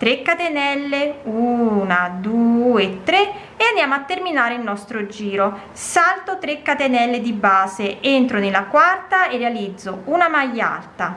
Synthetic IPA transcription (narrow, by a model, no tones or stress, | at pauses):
t̪ɾekːat̪enɛlːeuːnad̪uet̪ːɾe | eand̪jaːmoat̪ːerminaːɾeilnɔst̪ɾod͡ʒiːɾo | salt̪ot̪ɾekːat̪enɛlːed̪ibaːzeent̪ɾonelːakwart̪aerːealid̪zːounamajːa̰lt̪a